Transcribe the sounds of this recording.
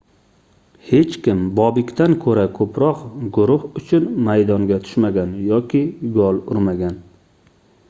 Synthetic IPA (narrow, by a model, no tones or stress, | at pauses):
he̞t͡ʃkʲɪmbɒbɪkʲt̪ʰankʰɵɾakʰɵpɾɒqɡʊɾʊhʊt͡ʃʰʊnmajd̪ɒŋɡʲat̪ʰʊ̥ʃmaɡʲanjɒkʲʰɪɡɒlˠʊɾmaɡʲan